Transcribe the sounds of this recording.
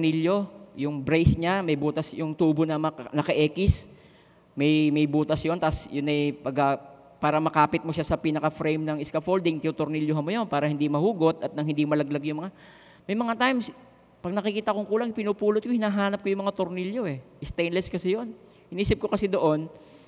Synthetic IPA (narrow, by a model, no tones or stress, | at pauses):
niljo̞jʊŋbɾejsɲamɐjbuːt̪ɐsjʊŋt̪uːbonɐmɐnɐkɐʔɛːkɪs | mɐjmɐjbuːt̪ɐsjo̞nt̪asjʊnɐjpɐɡɐ | paːɾɐmɐkaːpɪt̪̚moʃasɐpiːnɐkɐfɾɛjmnɐŋɪskɐfold̪ɪŋt̪ɪʊt̪ʊɾniljoɦɐnmojo̞npaːɾɐhɪnd̪imɐhuːɡo̞t̪ɐt̪nɐŋhɪnd̪imɐlɐɡlɐɡjʊŋmɐŋa | mɐjmɐŋat̪ajms | pɐɡ̚nɐkɪkiːt̪ɐkoŋkuːlɐŋpɪnuːpuːlot̪̚kohɪnaːɦaːnɐp̚kojʊŋmɐŋat̪oɾniljo̞ɛʔɪst̪ejnlɛskɐsɛjo̞n | hɪniːsɪp̚kokɐsɛd̪o̞ʔo̞n